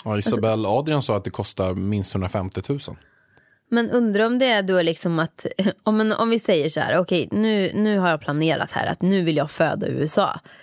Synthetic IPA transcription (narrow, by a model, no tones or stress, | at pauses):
aɪsabɛlːɑːd̪ɾɪɔnsɑːat̪̚d̪ɛkʰɔst̪aɾmɪnst̪hɵndɾafɛmt̪ɪt̪ʰʉ̟ːsə̰n | mɛnɵnd̪ɾaɔmd̪ɛæɖoæɭɪksɔmat̪ɔmɛnɔ̰mvɪsɛjːəʂɔhæ̰ːɾɔkʰɛjnʉ̟ːnʉ̟ːɦaɾjɑːpʰlaneːɾa̰t̪hæ̰ːɾa̰t̪nʉ̟ːvɪljɑːɡføːd̪a̰ʉ̟̰ːɛsɑ̰ː